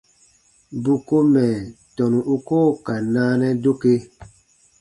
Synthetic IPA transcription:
bu˨ko˦mɛ˨tɔ˨nũ˨ʔu˦koː˦ka˨naː˦nɛ˦do˦ke˦

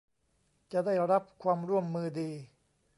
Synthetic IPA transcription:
t͡ɕa˨daː˥˩jɾa˦˥p̚kʰwaː˧mɾu˥˩əmːɯː˧diː˧

